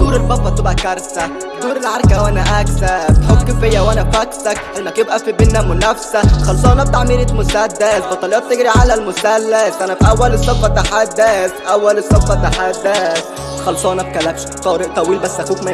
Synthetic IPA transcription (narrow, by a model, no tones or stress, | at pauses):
d̪uːɾelbɑfːɑt̪ebʔækɑɾˤsæ | d̪uːɾelʕɑɾkæwænæʔæksæbt̪ħoɡ̚kefejːæwʔænæfæksækʔælmːæk̪ebʔæfibenːæmʊnæfsæxɑlːsˤɑhnæb̚t̪aʕmiːɾet̪mʊsæd̪ːæsbɑt̪ːˤɑlejɑːt̪ːeɡɾiʕalælmʊsælːæsʔænæfiʔæwːælesˤːɑfːɑt̪aħad̪ːæsʔæwːælesˤːɑfːɑt̪ːaħad̪ːæs | t̪xɑlːsˤɑːnæt̪kælːæbʃt̪ˤɑɾeʔt̪ˤɑwiːlbæsːʔækuːkmæ